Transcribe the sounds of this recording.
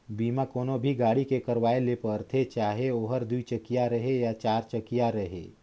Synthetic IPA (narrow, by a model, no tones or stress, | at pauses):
biːmakoːnobʱiɡaːɽikekɐɾʋaːelepəɾt̪ʰet͡ʃaːɦeoːɦəɾd̪uit͡ʃɐkijaɾɐɦejat͡ʃaːɾt͡ʃəkijaɾɐɦḛː